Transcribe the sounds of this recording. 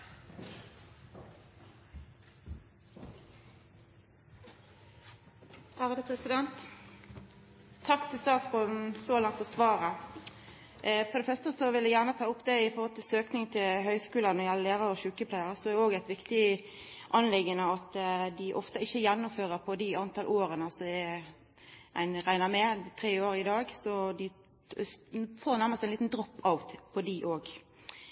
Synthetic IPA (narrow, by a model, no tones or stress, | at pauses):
æːʁəd̪əpʰʁɛsɪd̪ɛnt̪ | t̪ʰɑkt̪ʰɪlst̪ɑːt̪sɡɔn̩sɔlɑŋt̪fɔʁsʋɑːʁə | fɔʁd̪ɛfœʁst̪əsɔʋɪld̪æjæʁnət̪ʰɑːʊpd̪ɛɪfɔɾhɔlt̪ʰɪlsøːknɪŋt̪ʰɪlɦœʏskʉːlɑnɔʁjɛləleːɾɑɾɔʃʉːkəpʰlæɪəɾəsɔɛoːɡæɪt̪ʋɪkt̪ɪ | ʔɑnlɪɡːənəɑt̪d̪ɪʔɔft̪əɪçːəjɛnːʊmføːɾəpʰɔd̪ɪɑnt̪ʰɑlʔoːɾənəɑsɔɛ | æ̰ɪnʁæɪnəmɛt̪ʰɾeːoːɾɪd̪ɑːɡsɔd̪ɪ | foːɾnæɾməsɪnliːt̪nd̪ɾɔpːɑʋt̪pʰɔd̪ɪʔoːɡ